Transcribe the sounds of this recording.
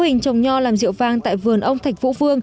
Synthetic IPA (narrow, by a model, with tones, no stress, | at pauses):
hï˨˩ŋ̟t͡ɕə˨˩wŋ͡mɲɔ˧laː˨˩mzḭ˧˨əwvaː˨˧˩ŋt̪a̰ː˧˨jvɨ˨˩ənʔə˧wŋ͡mt̪ʰa˨˩jk̟̚vṵ˧˥vɨ˧əŋ